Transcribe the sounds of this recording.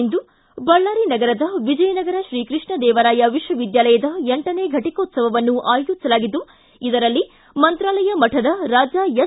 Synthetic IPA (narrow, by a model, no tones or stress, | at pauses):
nd̪u | bɐɭːaːɾinɐɡɐɾɐd̪ɐʋid͡ʒɐjɐnɐɡɐɾɐʃɾiːkɾɨʂɳɐd̪ɛːʋɐɾaːjɐʋiʂʋɐʋid̪jaːlɐjɐd̪ɐeɳʈɐneːɡʱɐʈikɐːt̪sɐʋɐʋɐnːuʔaːjjut̪ːsɐlaːɡid̪ːu | id̪ɐɾɐlːi | mɐnt̪ɾaːlɐjɐmɐʈʰɐd̪ɐɾaːd͡ʒaːje